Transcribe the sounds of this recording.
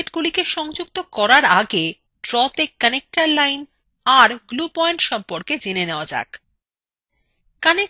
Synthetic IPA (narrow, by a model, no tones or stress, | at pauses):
ʈɡulikeʃɔŋd͡ʑuk̚t̪okɔɾaɾaɡe | ʈɾɔt̪ekːənek̚ʈaɾlajn | aɾɡlupɔeɳʈʃɔmpoɾked͡ʑineneoad͡ʑa̰k | kane